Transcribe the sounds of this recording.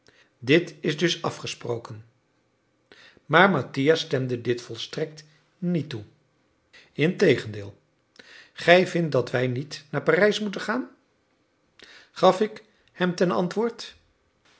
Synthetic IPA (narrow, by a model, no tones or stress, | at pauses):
dɪtɪzdɵsɑfχəsprowkən | maːɹmatijastɛmdədɪtfɔlˠstrɛk̚t | nitu | ɪntejχəndɪːlˠ | χɛjvɪnt̚dɑtʋɛjnitnaːɹpaːrɛjsmutəχaːn | χɑfɪk | hɛmtɛnɑ̰ntʋʊːɹt